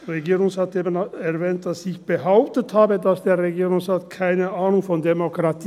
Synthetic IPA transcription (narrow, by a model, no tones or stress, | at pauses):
ʁeɡiːʁʊŋsʁaːteːbənɛɐvɛːnt̚d̥asɪçb̥əɦaʊp̚təthaːbədasd̥eːɐʁeɡiːʁʊŋsʁaːtkʰaɪnəʔaːnʊŋfɔndemokʁ̥atʰ